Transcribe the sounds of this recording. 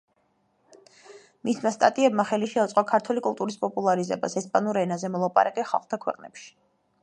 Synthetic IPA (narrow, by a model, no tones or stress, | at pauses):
mismast̪ʼa̰t̪ʼiɛbmaχɛliʃɛut̪sʼqʼɔkʰaɾt̪ʰwɛlikʼulˠt̪ʼuɾispʼɔpʼulˠaɾizɛ̰ba̰sɛspʼanuɾɛnazɛmɔlˠapʼa̰ɾakʼɛχa̰lˠχt̪ʰakʰwɛ̰qʼnɛ̰pʃi̥